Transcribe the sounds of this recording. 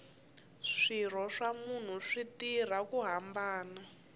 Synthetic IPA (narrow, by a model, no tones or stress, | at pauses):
ʂir̤ɔʂamun̤uʂitir̤akuɦambaːna